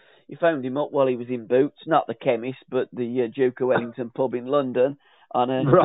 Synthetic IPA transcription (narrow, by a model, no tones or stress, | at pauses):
jifãʊ̃ndɪ̃mʊpwaɪlˠiwɒzɪ̃nbʉˑtsnəʔðəkʰɛmɪsb̥ʌʔ̪ðəəd͡ʒʉʊkəwɛlɪ̃ŋtʰə̃npʰʊbɪ̃nlʌ̃ndə̃n | ʔə̃nə